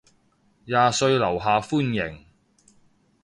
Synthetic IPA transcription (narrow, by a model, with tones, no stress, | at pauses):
jaː˨sɵ˧ɥlɐ˨˩wɦaː˨fuː˥njɪ˨˩ŋ